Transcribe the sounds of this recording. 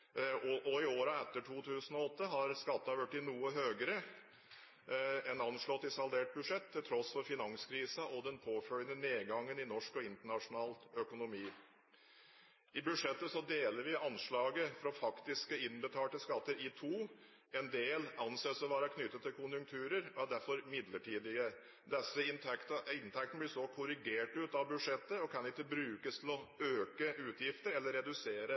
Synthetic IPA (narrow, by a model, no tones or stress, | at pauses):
ʔɔɪoːɾəɛt̪ːəʈʰuːt̪ʰʉːsənɔɔt̪ːəɦɑɾskɑt̪ːɑʋʉʈːɪnuːəɦøːɡəɾə | ɛnɑnʂɭɔt̪ːɪsɑld̪eːʈ̚bʉʂɛt̪ʰːɪlt̪ʰɾɔsfɔɾfɪnɑŋskʰɾiːsəʔɔd̪ɛnpʰoːfœljənəneːɡɑŋːənɪnɔʂkɔɪnt̪əɳɑʂʊnɑːlœkʊnʊmiː | ɪbʉd̪ʂɛt̪ːəsɔd̪eːləɾʋɪʔɑnʂɭɑːɡəfɾɔfɑkt̪ɪskəɪnbət̪ʰɑːlʈəskɑt̪ːəɾiːt̪ʰuː | ɛnd̪eːlɑnseːsɔʋɑːɾɑkʰnʏt̪ːət̪ːɪlkʰʊnjʉŋk̚t̪ʰʉːɾəɾɔæɖæɾfɔɾmɪd̪ləʈʰiːd̪ɪə | d̪ɛsːəɪk̪ɪnt̪ʰɛk̚t̪nəblɪsɔkʰʊɾɪɡeːʈʉt̪ɑʋbʉʂɛt̪ːəɔkʰɑnɪt̪ːəbɾʉːkəst̪ʰɪlɔøːkəʉːt̪jɪft̪əɾɛlːəɾːɛd̪ʉseːɾə